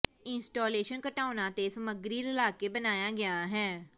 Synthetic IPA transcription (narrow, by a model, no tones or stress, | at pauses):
ɪnsʈoːleːʃənkəʈaːnãːt̪eːsəməɡɾiːlɪlaːkeːbənaːjaːɡɪaːɦɛː